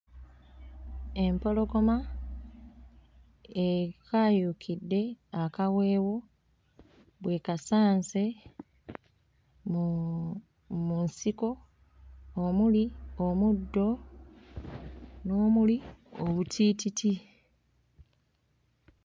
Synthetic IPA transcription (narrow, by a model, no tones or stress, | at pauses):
e̞mpo̞lo̞ɡo̞ma | ekʰaːjukʰidːe̞akawe̞ːwo̞ | βwe̞ːkasaːnse̞ | munsiko̞ː | muliomudːo̞ | no̞ːmulioβutʰiːtitʰi